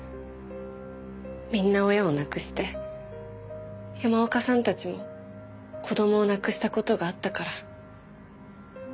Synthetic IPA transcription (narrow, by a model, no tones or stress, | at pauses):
mʲĩnːao̞jao̞nakɯ̟ɕi̥t̪e̞ | jamaokasãnt̪at͡ɕimo̞ | kʰo̞d̪o̞mo̞ːnakɯ̟ɕi̥t̪ako̞t̪o̞ɡaːt̪ːakaɾa